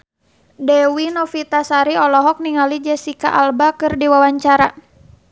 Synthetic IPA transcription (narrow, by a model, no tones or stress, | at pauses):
dɛwinɔfit̪asaɾiɔlɔɦɔk̚niŋalid͡ʒɛsikaʔalbakɨrdiwawaɲt͡ʃaɾa